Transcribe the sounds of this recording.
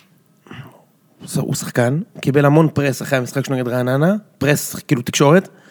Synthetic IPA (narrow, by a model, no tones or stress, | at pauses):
sṵsḁχkankibe̞lhamo̞npʁesaχeamisχakʃeneɡedʁananapʁeskiːlut̪i̥kʃo̞ʁet̪